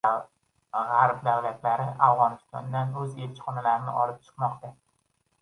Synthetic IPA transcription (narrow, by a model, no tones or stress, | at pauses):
ʁaɾp̚d̪awlat̪ʰlaɾɪʔavʁɒnɪst̪ɒ̰nd̪anɵze̞lt͡ʃʰɪ̥χɒnalaɾɪnɪ̰ʔɒlɪp̚t͡ʃʰɨ̥qmɒqt̪a